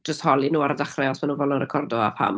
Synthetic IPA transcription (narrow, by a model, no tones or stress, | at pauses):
əsthɔlˠinuːaɾadaχrɛɔsmanuːnvɔlˠɔnrɛkʰɔrdɔa̰pʰa̰m